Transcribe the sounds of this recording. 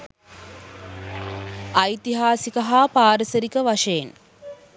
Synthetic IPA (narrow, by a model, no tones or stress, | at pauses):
ɐjt̪iɦaːsikəɦaːpaːɾəsəɾikəʋaʂejen